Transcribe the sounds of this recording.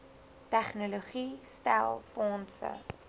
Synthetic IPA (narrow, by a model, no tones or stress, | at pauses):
tæχnoloχistæ̰lˠfɔnsə̰